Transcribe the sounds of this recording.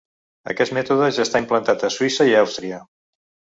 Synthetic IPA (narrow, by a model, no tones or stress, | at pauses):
ə̰kɛst̪mɛt̪uðəʒast̪aimplənt̪at̪əswisəiawst̪ɾiə